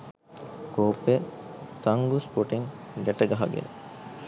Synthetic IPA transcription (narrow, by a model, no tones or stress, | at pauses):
koːpːet̪ɐŋɡuspoʈiŋɡeʈɐɡɐɦɐ̰ɡḛɾ